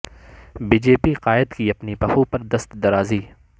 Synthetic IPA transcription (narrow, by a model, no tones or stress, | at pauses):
biːd͡ʒeːpiqaːɪd̪kiɐpnipɐxupɐɾd̪ɐst̪d̪ɐɾaːziː